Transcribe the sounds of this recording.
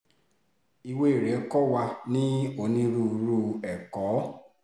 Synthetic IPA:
i˧we˦i˨ɾɛ˨˦kɔ˦wa˧nĩ˦o˧nĩ˦ɾu˦˨˧ɾu˦ɛ˨kɔ˨˦

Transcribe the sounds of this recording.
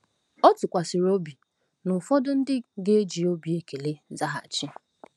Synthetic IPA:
ɔ˦tʊ˨kʷa˨sɪ˨ɾo˦bi˨ | nʊ˨fɔ˦dʊ˦n̩˦dɪ˦ɡe˦e˦d͡ʒi˨o˦bi˨e˦ke˨le˦za˦ɦa̰˨t͡ʃɪ˦

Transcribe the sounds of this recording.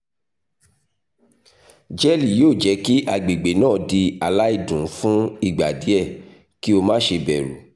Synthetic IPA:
d͡ʒɛ˦li˨joː˦˨d͡ʒɛ˨˧˦ki˦ʔa˧˨ɡ͡be˨ɡ͡be˨˦nãː˦˨di˧a˧la˦i˦˨dũ˨˦fũ˦i˦˨ɡ͡ba˨di˨˦ɛ˦˨ | ki˦o˧mãː˦ʃe˧bɛ˨ɾṵ˨˦

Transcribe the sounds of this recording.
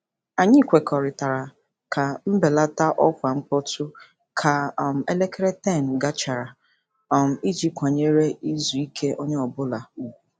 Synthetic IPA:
a˨ɲɪ˦˨kʷe˨kɔ˨ɾɪ˨ta˨ɾa˨ | ka˨m̩˦be˨la˦ta˦ʔɔ˦kʷa˨ŋŋ͡m̩˦k͡pɔ˦tʊ˦ | kʰa˨m̩˨e˦le˦kɾe˦tɛ˦˨n˨ɡa˦t͡ʃa˨ɾa˨ | ɔ˨m̩˨i˦d͡ʒi˦kʷa˨ɲe˦ɾe˦i˦zu˨i˦kʰe˦ʔo˦ɲe˦ɔ˨bʊ˦la˨u˨u˨

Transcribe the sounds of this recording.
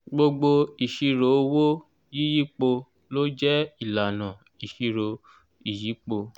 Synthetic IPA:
ɡ͡bo˧ɡ͡bo˧i˨ʃi˧ɾo˨˦wo˦ | ji˦ji˦k͡po˧ | lo˦d͡ʒɛ˦i˦˨la˨nã˨ | i˨ʃi˧ɾo˧ | i˨ji˨˦k͡po˧

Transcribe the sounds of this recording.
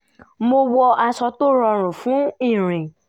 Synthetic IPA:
mo˧wɔ˧ʔa˧sɔ˧to˦ɾɔ˧ɾ̃ũ˨fũ˨˦ĩ˦˨ɾ̃ĩ˨

